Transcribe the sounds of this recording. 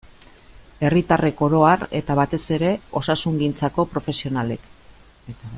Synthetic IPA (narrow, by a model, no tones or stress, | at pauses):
e̞rit̪are̞ko̞ɾo̞are̞t̪aβat̪e̞se̞ɾe̞o̞sasuŋɡint͡sako̞pɾo̞fe̞sio̞nale̞k